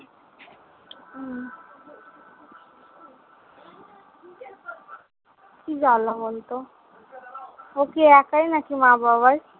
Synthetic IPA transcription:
kid͡ʑalabolt̪o | okeɛkajnakimãbabaɾ

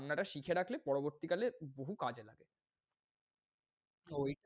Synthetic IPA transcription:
nːaʈaʃikʰeɾakʰlepɔɽoboɾt̪ikaleboɦukad͡ʑela̰ɡe | oj

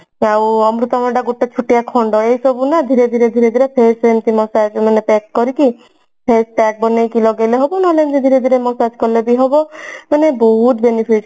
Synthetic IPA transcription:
awɔmɾut̪ɔmɔɳɖaɡuʈɔt͡ʃʰuʈijakʰɔɳɖɔeɦjsɔbunad̪ʱiɾed̪ʱiɾed̪ʱiɾed̪ʱiɾepʰesemt̪imɔsad͡ʒmanepeskɔɾiki | pʰesʈak̚bɔnejkilɔɡejleɦɔbɔnɔlemt̪id̪ʱiɾed̪ʱiɾemɔsad͡ʒkɔɾlebiɦɔbɔmanebɔɦut̪benipʰiʈ

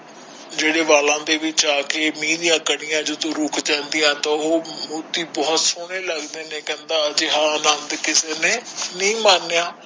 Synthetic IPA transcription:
d͡ʒeːɽeːʋaːlãːd̪eːʋɪt͡ʃaːkeːmĩːd̪ɪjãːkəɽɪjãːd͡ʒʊd̪õːɾʊkʰd͡ʒɛ̃ːnd̪ɪjãːt̪ãːoːmuːt̪iːbɔːt̪sʊɽ̃eːləɡd̪eːnẽːkɛ̃ːnd̪aːəd͡ʒɦãːnənd̪kɪseːneːnĩːmaːnːejaː

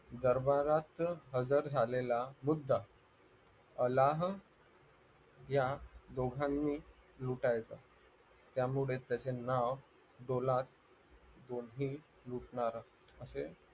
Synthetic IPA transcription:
d̪əɾbaɾat̪ɦəd͡zəɾd͡zʱalelamud̪ʱːa | əlaɦ | jad̪oɡʱãnːiːluʈajt͡sa | t̪jamuɭet̪jat͡senaʋ | ɖolat̪̚ | d̪onɦiː | luʈɳaɾ | əse

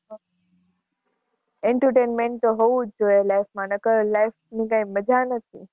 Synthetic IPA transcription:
eɳʈəɾʈenmẽɳʈt̪oɦoʋud͡ʒoelajfmãnəkəlajfnĩkãĩməd͡ʒʱanət̪ʰḭ

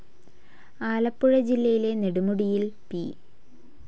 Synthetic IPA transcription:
aːlɐpːuɻɐd͡ʑilːɐjile̞ne̞ɽumuɽijilpi

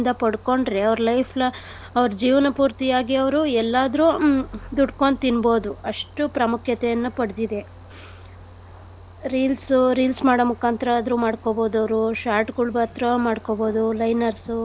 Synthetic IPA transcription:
nd̪ɐpɐɽko̞ɳɖɾe̞ɐʋɾlɐjpʰlɐ | ɐʋɐɾud͡ʒiːʋɐnɐpuːɾt̪ijaːɡiɐʋɾuɛlːaːd̪ɾud̪uɖkoɳt̪inbo̞ːd̪uɐʂʈupɾɐmukʰjɐt̪ɛjɐnːupɐɽd̪id̪e̞ | ɾiːlsuɾiːlsmaːɽomukʰaːnt̪ɾɐd̪ɾumaːɽkobo̞ːd̪ɐʋɾuʃaːɾʈɡuɭbat̪ɾɐmaːɖkobo̞ːd̪ulɐjnɐɾsu

